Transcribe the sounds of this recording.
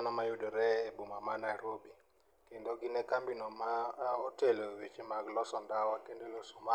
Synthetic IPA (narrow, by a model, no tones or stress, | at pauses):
anɔmajʊdoɾɛbumamanajɾobi | kendoɡɪnɛkambinɔmaotelowit͡ʃemaɡlɔsɔndawakendelosɔma